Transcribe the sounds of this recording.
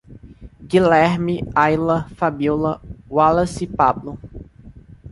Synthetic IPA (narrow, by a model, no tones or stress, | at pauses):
ɡilɛɾmiajlɐfabulɐwalɐsipablʊ